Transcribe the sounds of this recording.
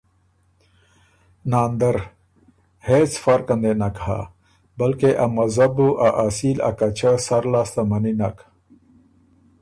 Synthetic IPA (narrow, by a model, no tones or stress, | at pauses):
naːnd̪ɐɾ | heːt͡sfɐɾkɐnd̪enakha̰ | bɐlkeʔamɐzɐbuʔaʔasiːla̰kat͡ɕʰasɐɾlaːst̪amɐninak